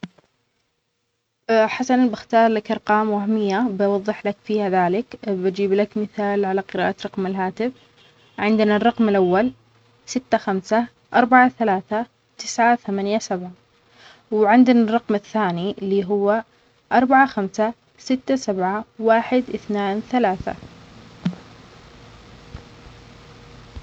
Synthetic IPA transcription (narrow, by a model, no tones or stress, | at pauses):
ħasanbɪxt̪ɑːɾˤlakʔɑɾˤqɑːmwahmɪjːabɑwɑðˤːɨħlakfiːhaðaːlɪkbad͡ʒiːblakmɪθaːlʕalaqɨɾa̰ːʔaɾˤɑqmɪlɦaːt̪ɪf | ʕɪnd̪narˤːɑqmɪlʔawːal | sɪt̪ːaxamsa | ʔɑɾˤbaʕaθalaːθa | t̪ɪsʕaθamaːnjasabʕa | wʕɪnd̪ɪnarˤːɑqmaθːaːnilːiːɦʊwːa | ʔɑɾˤbaʕaxamsa | sɪt̪ːasabʕawaːħɪd̪ʔɪθnaːnθalaːθa̰